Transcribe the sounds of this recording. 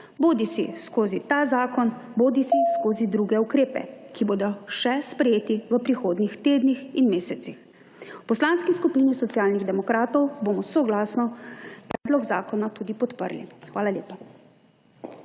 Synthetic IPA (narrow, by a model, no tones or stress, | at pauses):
boːd̪isḭskoːzit̪aːzaːkɔnboːd̪isiskoːzid̪ɾuːɡɛukɾeːpɛ̰kiboːd̪ɔʃɛspɾɛjeːt̪iʋəpɾixoːd̪nixt̪eːd̪nixinmeːsɛt̪six | wpɔslaːnskiskupinisɔt̪sjaːlniɣd̪ɛmɔkɾaːt̪ɔwbomɔsɔɡlaːsnɔpɾɛːd̪lɔɡzaːkɔnat̪uːd̪ipɔt̪pə̰ɾlḭxʋaːlaljeːpa